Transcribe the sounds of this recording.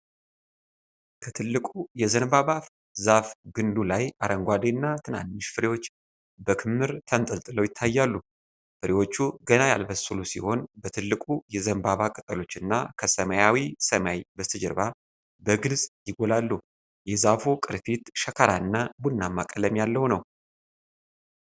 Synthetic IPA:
kʰət̪ʰɨlːɨkʼujɛzənbaβaf | zafɡɨnd̪ulajaɾʔəŋɡʷad̪enːat̪ʰɨna̰nːɨʃfɨɾewo̞t͡ʃː | bəkʰɨmːɨɾt̪ʰənt̪ʼəlt̪ʼɨləwjɪt̪ʰːajːalːu | fɨɾewo̞t͡ʃːuɡənajalbəsɨlusḭho̞nbət̪ʰɨlːɨkʼujɛzənbaβakʼɨt̪ʼəlo̞t͡ʃːɨnːa̰kʰəsəmajawisəmajbəst̪ʰɨd͡ʒəɾβa | bəɡɨlsʼjɪɡolalːu | jɛzafukʼɨɾfit̪ʃəkʰaɾaɨnːabunːamːakʼələmjalːəhwnəw

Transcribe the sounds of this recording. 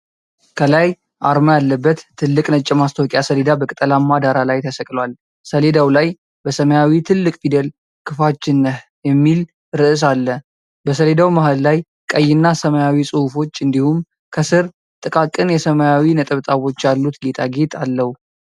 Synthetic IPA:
kʰəlaj | ʔaɾməjalːəbːət̪ʰːɨlːɨkʼnət͡ʃʼːɪmast̪ʰəwkʼjasəle̞d̪abəkʼɨt̪ʼəlamːad̪aɾalajt̪ʰəsəkʼlwal | səle̞d̪awlaj | bəsəməjawit̪ʰɨlːɨkʼfid̪əl | kʰɨfat͡ʃːɪnːəh | jɛmːil | ɾɨʔɨs̬alːə | bəsəle̞d̪awmaɦallaj | kʼəjːɪnːasəməjawisʼɨhufo̞t͡ʃːɨnd̪ihum | kʰəsɨɾ | t̪ʼɨkʼakʼɨnjɛsəməjawinət̪ʼəβt̪ʼaβo̞t͡ʃːjalːut̪ɡe̞t̪ʰʼaɡe̞t̪ʰʼalːəhu

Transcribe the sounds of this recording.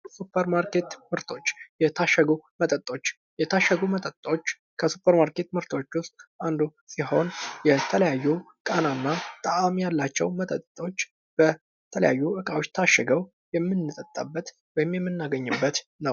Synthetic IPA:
supʰːəɾmaɾke̞t̪mɨɾt̪ʰo̞t͡ʃːjɛt̪ʰaʃːɛɡumət̪ʼət̪ʼːo̞t͡ʃː | jɛt̪ʰaʃːəɡumət̪ʼət̪ʼːo̞t͡ʃː | kʰəsupʰːəɾmaɾke̞t̪mɨɾt̪ʰo̞t͡ʃːwʊst̪ʼʔand̪usiɦo̞njɛt̪ʰələjajːu | kʼənanːat̪ʼəamjalːat͡ʃːɛ̰wmət̪ʼət̪ʼːo̞t͡ʃː | b̥ə | t̪ʰələ̰ja̰jːuʔɨkʼawo̞t͡ʃːt̪ʰaʃːɛɡəw | jɛmːɨnːɨt̪ʼət̪ʼːabːət̪ | wɔjɪmjɛmːɨnːaɡəɲːɨbːət̪nəw

